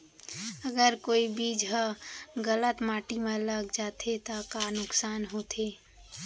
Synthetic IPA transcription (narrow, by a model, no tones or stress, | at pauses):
əɡəɾkoːibiːd͡ʒɦəɡələt̪maːʈimẽləɡd͡ʒaːt̪ʰet̪akanʊksaːnɦoːt̪ʰeː